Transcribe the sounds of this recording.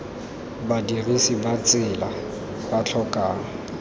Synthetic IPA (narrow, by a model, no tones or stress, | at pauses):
badirisibat͡sʼɪla | bat͡ɬʰɔkʼaːŋ̩